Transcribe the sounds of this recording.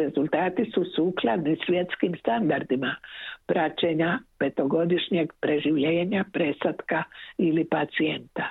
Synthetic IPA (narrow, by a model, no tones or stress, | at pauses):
e̞zulˠt̪aːt̪isusuːklˠad̪nisʋʲje̞t̪skimst̪and̪aɾd̪imapɾat͡ɕeɲape̞t̪o̞ɡo̞d̪iʃɲe̞ɡpɾe̞ʒiʋʎeːɲapɾe̞sat̪kailipat̪sient̪a